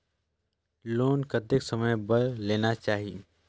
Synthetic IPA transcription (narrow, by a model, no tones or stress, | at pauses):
loːnkət̪eksəməjbəɾleːnat͡ʃaːɦi